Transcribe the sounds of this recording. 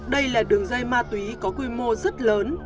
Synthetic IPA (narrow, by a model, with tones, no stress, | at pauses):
ɗə˧jlaː˨˩ɗɨ˨˩əŋza˧jmaː˧t̪wi˨˦kɔ˨˦kwi˧mo˧zə˦˥t̚ləː˨˦n